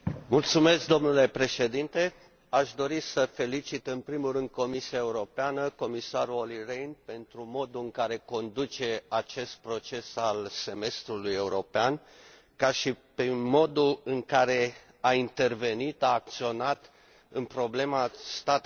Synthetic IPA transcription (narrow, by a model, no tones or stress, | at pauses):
mult̪sume̞sk̚d̪o̞mnule̞pɾe̞ʃe̞d̪int̪e̞ | aʃd̪o̞ɾisəfe̞lit͡ʃit̪ɨnpɾimurɨnd̪̚ko̞misiae̞uɾo̞peanəko̞misaɾuo̞lirejnpe̞nt̪ɾumo̞d̪uɨŋkaɾe̞ko̞nd̪ut͡ʃe̞at͡ʃe̞st̪̚pɾo̞t͡ʃe̞salse̞me̞st̪ɾuluje̞uɾo̞pean | kaʃipemo̞d̪uɨŋkaɾe̞ | aint̪e̞rve̞nit̪aːk̚t̪sio̞nat̪ | ɨnpɾo̞ble̞mast̪at̪